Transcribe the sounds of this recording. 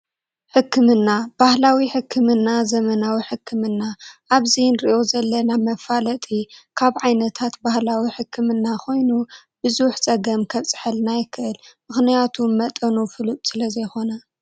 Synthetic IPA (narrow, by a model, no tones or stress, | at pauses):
ħɨkʰːɨmɨnːab̥ahlawiħɨkʰːɨmɨnːazɐmɐnawiħɨkʰːɨmɨnːaʔaβzinɾiʔo̞zɐlːɐnamɐfalɐt̪ʼikʰaβʕajnɐt̪ʰat̪bahlawiħɨkʰːɨmɨnːakʰo̞jnu | b̥ɨzuħt͡sʼɐɡɐmkʰɐβt͡sʼɨ̥ħɨlnajɪkʰːɨʔɨlmɨxnijat̪ʰumɐt̪ʼɐnufɨlut̪ʼsɨlɐzɐjxo̞nɐ